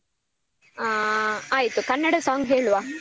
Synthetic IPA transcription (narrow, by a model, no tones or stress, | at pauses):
aːjit̪ukɐnːɐɽɐsaːŋɡɦeːɭuʋaː